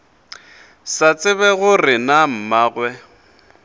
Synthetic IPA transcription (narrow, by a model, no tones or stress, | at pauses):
sat͡sʼɪβɛɣʊrɪnam̩maːɣwɛ